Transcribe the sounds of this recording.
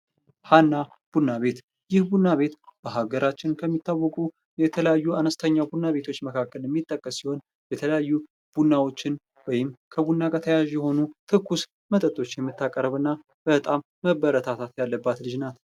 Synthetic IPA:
hanːa | b̥unːaβe̞t̪ | jɪhbunːaβe̞t̪b̥əɦaɡəɾʔat͡ʃːɪnkʰəmːit̪ʰːawːɔkʼu | jɛt̪ʰələjajːuanəst̪ʰəɲːabunːaβe̞t̪ʰo̞t͡ʃːməkʰakːəljɛmːit̪ʼːəkʼːəsːiho̞n | jɛt̪ʰələjajːu | b̥unːawo̞t͡ʃːɪn | wɔjɪmkʰəbunːakʼət̪ʰəjaʒjɛho̞nut̪ʰɨkːus | mət̪ʼət̪ʼo̞t͡ʃːjɛmːɨt̪ːakʼəɾəβɨnːa | b̥ət̪ʼamːəbəɾət̪ʰat̪ʰat̪jalːəbːat̪lɨd͡ʒnat̪

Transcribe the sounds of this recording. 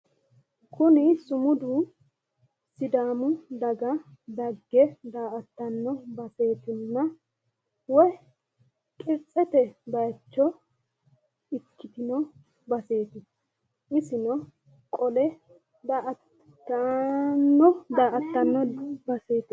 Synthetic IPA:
kʰʊnɪsʊmʊd̪u | sɪd̪aːmʊd̪ɐɡɐd̪ɐɡːɛd̪aːʔɐt̪ːɐnːɔbɐse̞ːt̪ɪnːɐ | wɔj | kʼɪɾt͡sʼːɛt̪ɛbɐjt͡ʃːɔ | ɪkːɪt̪ɪnɔ | bɐse̞ːt̪ɪ | ɪsɪnɔ | kʼɔlɛ | d̪aːʔɐtː | ɐnːɔd̪aːʔɐt̪ːɐnːɔbɐse̞ːt̪ɪ

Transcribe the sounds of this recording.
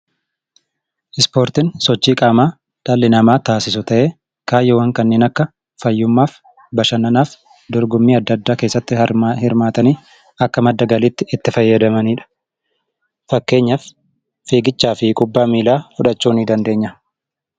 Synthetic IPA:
ʔɪspo̞ːɾt̪ɪnsɔt͡ʃːiːkʼaːmaː | ᶑ̪aːlːɪnɐmaːt̪aːsɪs̬ʊt̪ɐʔeː | kaːjːɔwɐŋkɐnːeːnɐkːɐ | fɐjːʊmːaːf | bɐʃɐnɐnaːf | d̪ɔɾɡʊmːiːɐd̪ːɐd̪ːaːke̞ːsːɐt̪ːɪhɐɾhɪɾmaːt̪ɐniː | ɐkːɐmɐd̪ːɐɡɐlɪt̪ːɪɪt̪ːɪfɐjːɐd̪ɐmɐniːᶑɐ̥ | fɐkːe̞ːɲːɐf | feːɡɪt͡ʃːaːfɪkʼʊbːaːmiːlaːfʊᶑɐt͡ʃːuːnid̪ɐnd̪e̞ːɲːɐ

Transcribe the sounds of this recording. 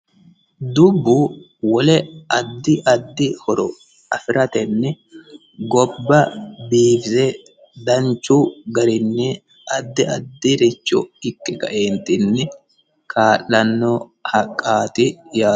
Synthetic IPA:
d̪ʊbːʊ | wɔlɛɐd̪ːɪʔɐd̪ːɪhɔɾɔ | ɐfɪɾɐt̪ɛnːɛ | ɡɔbːɐbiːfɪzɛ | d̪ɐnt͡ʃːʊɡɐɾɪnːɛ | ʔɐd̪ːɪɐd̪ːɪɾɪt͡ʃːɔ̰ɪkʼːɪkɐ̰ʔeːnt̪ɪnːɛ | kʰaːlːɐnːɔhɐkʼːaːt̪ɪjaː

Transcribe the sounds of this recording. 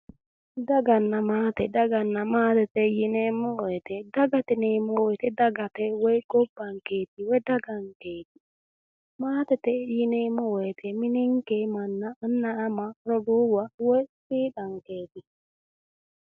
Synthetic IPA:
daɡanːamatɛdaɡanːamatɛtɛjinemowɛtɛdaɡatɛnemowɛtɛdaɡatɛwɛɡobaŋket̚iwɛdaɡaŋket̚i | matɛtɛjinemowetʰɛminiŋkemanːaanːaːmaɾoduwawɛsiɗaŋketi

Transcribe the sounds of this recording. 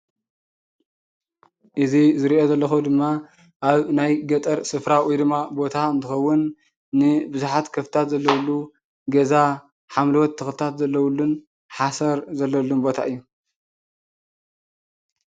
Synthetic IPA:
ʔɨzizɨɾiʔo̞zɐlːɐxud̪ɨmːa | ʔaβnajɡɐt̪ʼɐɾsɨfɾawid̪ɨmabo̞t̪ʰaɨnt̪ʰɨxɐwːʊnː | ɨbɨzuħat̪kʰɐft̪ʰat̪zɐlːɐwulːu | ɡɐza | ħamlɨwɔt̪ʰːɨxlɨt̪ʰat̪zɐlːɐwlːun | ħasɐɾzɐlːɐlːunbo̞t̪ʰa̰ʔɨjːu

